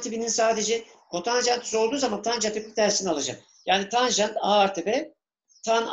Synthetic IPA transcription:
t̪ʰibininsaːd̪ed͡ʒɛ | kʰot̪ʰanʒant̪ʰy̥so̞lˠd̪uːzamant̪ʰanʒat̪ʰepit̪ʰæɾsinialˠad͡ʒa̰k | jaːnit̪ʰanʒant̪aaɾt̪ʰebɛ | t̪ʰan

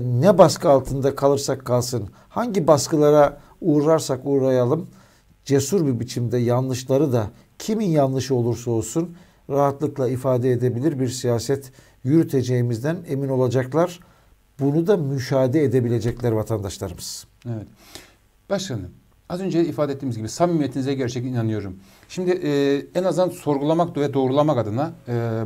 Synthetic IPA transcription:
nɛbaskɯalˠt̪ʰɯnd̪akʰalˠɯɾsakʰːalˠsɯn | haɲɟibaskɯlˠaɾa | uːɾɾaɾsakuːɾajalˠɯm | d͡ʒe̞suɾbibit͡ʃʰimd̪ɛjanlˠɯʃlˠaɾɯd̪a | cʰiminjanlˠɯʃo̞lˠuɾso̞lˠsun | ɾaɦat̪lˠɯklˠaifaːd̪ɛed̪e̞bilʲiɾbiɾsijaːsɛt̪ | jyɾyt̪ʰe̞d͡ʒe̞jimizd̪æne̞mino̞lˠad͡ʒaklˠaɾ̥ | bunud̪amyʃaːd̪ɛed̪e̞bilʲe̞d͡ʒɛclʲæɾvat̪ʰand̪aʃlˠaɾɯmɯz̥evɛt̪ | b̥aʃkanɯm | azø̞nd͡ʒeifaːd̪ɛet̪ːiːmizɟibisamymijet̪inizɛɟæɾt͡ʃʰɛcinanɯjo̞ɾum | ʃimd̪ɪʔɛnazd̪anso̞ɾɡulˠamak̚d̪ovɛd̪o̞ːɾulˠamakad̪ɯna

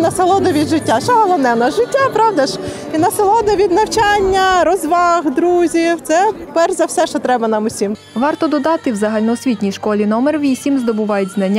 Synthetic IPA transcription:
nɐselˠɔd̪ɐʋʲid̪ʒɪtʲːaʃɛɐlˠɔnɛnɐʒɪtʲːapɾɑwd̪ɐʃ | inɐselˠɔd̪ɐʋʲid̪nɐwt͡ʃanʲːɐɾɔzʋɑɣd̪ɾuzʲiwt̪sɛpɛrzɐwsɛʃt͡ʃɔt̪ɾɛbɐnɑmʊsʲim | ʋɑrt̪ɔd̪ɔd̪ɑt̪ɪwzɐɦɑlʲnɔɔsʲʋʲitʲnʲijʃkɔlʲinɔmerʋʲisʲimzd̪ɔbʊʋɑjʊtʲznɐnʲː

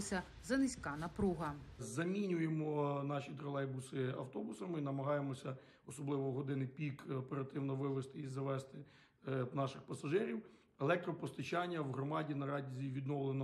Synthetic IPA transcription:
sʲɐ | zɐnɪsʲkɑnɐpɾuɦɐzɐmʲinʲʊjemɔnɑʃʲit̪ɾɔlˠɛjbʊsɪɐ̰wt̪ɔbʊsɐmɪinɐmɐɦɑjemɔsʲɐ | ɔsɔblˠɪʋɔɦɔd̪ɪnɪjpʲikɔpeɾɐt̪ɪwnɔʋɪʋɪst̪ɪizɐʋɛst̪ɪ | nɑʃɪxpɐsɐʒɪɾʲiw | elˠɛk̚t̪ɾɔpɔst̪ɐt͡ʃɑnʲːɐwɦɾɔmɑdʲinɐɾɑdʲizʲiʋʲid̪nɔwlˠenɔ

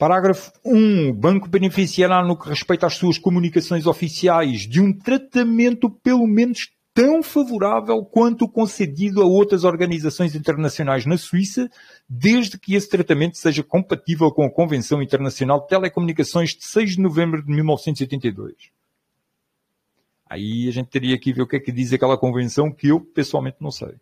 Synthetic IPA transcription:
pɐɾaɣɾɐfu̥ũbɐ̃ŋkubɨnɨfisiɛɾanukɨʁɨʃpɐjt̪aʃsuɐʃkumunikɐsõj̃zɔfisiajʒd̪ɨũt̪ɾɐt̪ɐmẽnt̪upɨlˠumẽnuʃ | t̪ɐ̃w̃fɐvuɾavɛlˠkwɐ̃nt̪ukõsɨðiðuɐowt̪ɾɐzɔɾɣɐnizɐsõj̃zĩnt̪ɨɾnɐsjunajʒnɐswisɐ | d̪eʒðɨkɨest̪ɾɐt̪ɐmẽnt̪u̥seʒɐkõmpɐt̪ivɛlˠkõɐkõvẽsɐ̃w̃ĩnt̪ɨɾnɐsjunalˠd̪̚t̪ɛlˠɛkumunikɐsõj̃ʒd̪ɨsɐjʒd̪ɨnuvẽmbɾuðɨmilˠnɔvsẽt̪uziojt̪ẽnt̪ɐjðo̰jʃ | ɐ̰iɐʒẽnt̪ːɐɾiɐakiveɾukɛkɨðizɐkɛlˠɐkõvẽsɐ̃w̃kɨewpɨswalˠmẽnt̪nɐ̃w̃sɐ̰j

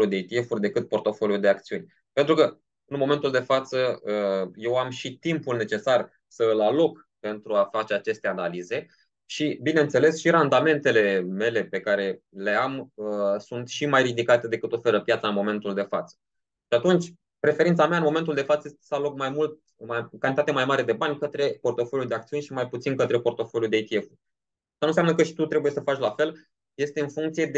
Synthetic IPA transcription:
ud̪et̪iefurʲd̪e̞kɨt̪̚po̞rt̪o̞fo̞ljud̪e̞ak̚t̪siunʲ | pe̞nt̪ɾukə | ɨnmome̞nt̪uld̪e̞fat̪səəje̞wamʃit̪impulne̞t͡ʃe̞sar | səɨlalo̞k | pe̞nt̪ɾuafat͡ʃe̞at͡ʃe̞st̪e̞analize̞ | ʃibine̞ɨnt̪se̞le̞sʃiɾand̪ame̞nt̪e̞le̞me̞le̞pe̞kaɾe̞ | le̞aməsunt̪ʃimajrid̪ikat̪e̞d̪e̞kɨt̪o̞fe̞ɾəpjat̪saɨnmo̞me̞nt̪uld̪e̞fat̪sə̥ | ʃiat̪unt͡ʃʲ | pɾe̞feɾint̪sameaɨnmo̞me̞nt̪̬uld̪e̞fat̪səjsalok̚majmult̪̚ | makanit̪at̪emajmaɾe̞d̪e̞banʲkət̪ɾe̞po̞rt̪o̞folʲjud̪e̞akt̪siuneʃimajput̪sinkət̪ɾe̞po̞rt̪o̞folʲjud̪eit̪ie̞fu | ast̪ənunsjamnəkəʃi̥t̪ut̪ɾebuje̞səfat͡ʃlafe̞l | je̞st̪e̞ɨnfuŋkt̪sije̞d̪e

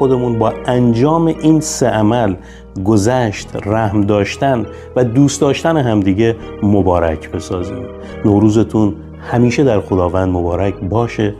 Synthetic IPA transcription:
od̪e̞munbɒːænd͡ʒɒːmeʔiːnseʔæmæl | ɡo̞zæʃt̪ræhmd̪ɒːʃt̪æn | væd̪uːst̪ɒːʃt̪æneɦæmd̪iːɟe̞ | mobɒːɾæcʰbe̞sɒːzḭːm | noːɾuːze̞t̪ʰun | hæmiːʃe̞d̪æɾxo̞d̪ɒːvænd̪mo̞bɒːɾæcʰbɒːʃe̞

